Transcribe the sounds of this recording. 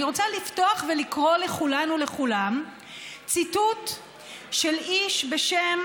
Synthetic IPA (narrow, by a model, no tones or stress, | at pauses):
ʁot͡salifto̞aχvelikʁo̞le̞χulanule̞χulam | t͡situt | ʃeliʃbeʃem